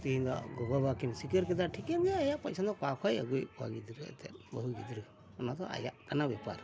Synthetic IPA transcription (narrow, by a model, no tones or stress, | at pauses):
t̪iɦĩnd̪ɔ̰ʔɡɔbabakimsikəɾkɛd̪aʈʰikɛnd͡ʒɛajaʔpajsʰad̪ɔkakʰajə̰ɡujpua̰ɡid̪ɾɛ̰t̪ɛ̰t̪̚bəɦuɡid̪ɾɯ | ɔnat̪ɔʔa̰ja̰ʔkanabɛpa̰ɾ